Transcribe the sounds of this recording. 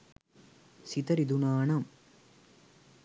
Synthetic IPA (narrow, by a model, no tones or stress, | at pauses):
sit̪ɐɾid̪unaːɳɐm